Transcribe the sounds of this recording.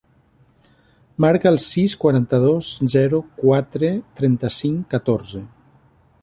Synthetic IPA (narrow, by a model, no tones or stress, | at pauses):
maɾkaːlˠsiskwaɾant̪əð̞ozzɛɾukwat̪ɾet̪ɾɛnt̪əsiŋkət̪oɾze